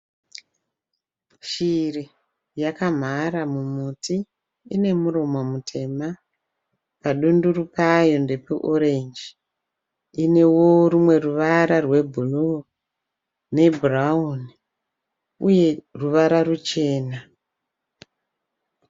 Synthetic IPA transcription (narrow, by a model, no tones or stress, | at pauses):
ʃiri | jakam̤aɾamumuti | ine̞muɾo̞momutʰe̞ma | paɗunduɾupajo̞nde̞peʔoɾe̞nd͡ʒi | ine̞wo̞rumwe̞ruʋaɾarwe̞bʱulu | ne̞burauni | uje̞ruʋaɾarut͡ʃe̞ːna